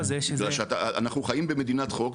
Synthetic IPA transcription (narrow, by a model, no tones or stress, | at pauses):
zeʃeɡlalʃeat̪aa̰naχnuχajimbeme̞d̪inat̪χo̞k